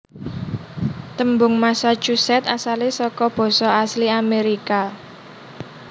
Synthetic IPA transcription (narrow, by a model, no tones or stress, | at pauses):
t̪əmbʊŋmasḁt͡ʃusɛt̪asalesɔkɔb̥ɔ̤sɔasliameɾika